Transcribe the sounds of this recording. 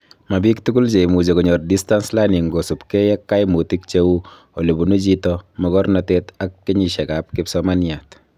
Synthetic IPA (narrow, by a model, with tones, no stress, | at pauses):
ma˨bi˦ktu˦ɡu˦lt͡ʃe˨i˨mu˨d͡ʒe˨kɔɲɔ˨rdi˦sta˦nslani˨ŋɡo˨su˨pke˦jɛ˦kːa˦jmu˨ti˦k̚t͡ʃewu˦ | o˨le˨bu˨no˦d͡ʒitɔmɔ˨kɔ˦ɾnateta˦kːi˦ɲi˨ʃɛ˨kap̚kɪpsɔma˦nja˨t